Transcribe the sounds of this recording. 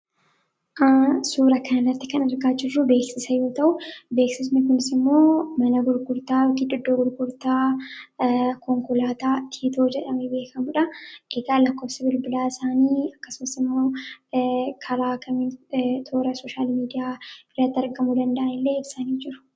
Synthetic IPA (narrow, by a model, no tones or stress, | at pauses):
ʔasuːɾɐkɐnɐrːɐt̪ːɪkɐnɐɾɡaːd͡ʒɪrːʊbe̞ːksɪsɐjo̞ːt̪ɐʔʊbe̞ːksɪs̬mɛkʊnɪsɪmːo̞ːmɐnɐɡʊɾɡʊɾt̪aːkɪᶑɪd̪ːoːɡʊɾɡʊɾt̪aː | kɔŋkʊlaːt̪aːt̪ʰiːt̪o̞ːd͡ʒɛᶑɐmɛbe̞ːkʰɐmʊᶑɐʔɪɡaːlɐkːo̞ːfsɐbɪlbɪlaːɪsaːniːɐkːɐsʊmɐsɪmːo̞ː | kʰɐɾaːkɐmɪnt̪ʰo̞ːɾɐsoːʃaːlmiːd̪ɪjaːbɪɾɐt̪ːɪɐɾɡɐmud̪ɐnd̪ɐʔɐnɪlːe̞ːɪbsanid͡ʒɪɾʊ̥